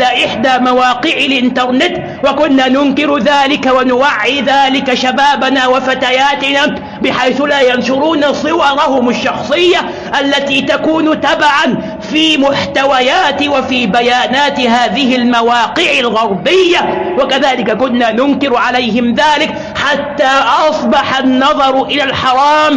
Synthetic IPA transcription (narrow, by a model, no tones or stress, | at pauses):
laʔɪħd̪aːmawaːqɪʕɪlʔɪnt̪ɑɾˤnɪt̪ | wakʊnːaːnʊnkɪɾðaːlɪkawanʊwaʕːiðaːlɪkaʃabaːbanaːwafat̪ajaːt̪ɪna | bɪħajθʊlaːjanʃʊɾuːnasˤɨwɑɾˤɑhʊmaʃːɑxsˤɨjːa | ʔalːat̪iːt̪akuːnt̪abaʕan | fiːmʊħt̪awajaːt̪wafiːbajaːnaːt̪haːðɪɦɪlmawaːqɪʕɪlɣɑɾˤbɪjːawakaðaːlɪkakʊnːaːnʊnkɪɾʕalajɦɪmðaːlɪk | ħat̪ːaːʔɑsˤbɑħanːɑðˤɑɾˤʔɪlalħɑɾˤɑːm